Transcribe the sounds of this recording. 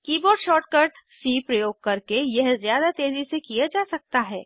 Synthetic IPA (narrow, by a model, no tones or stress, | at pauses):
kiːbɔːɾɖʃɔːɾʈ̚kəɾɖ | siːpɾɐjoːɡ̚kɐɾkejɛɦzjaːd̪at̪eːzisekijad͡ʒaːsɐk̚t̪aɦɛː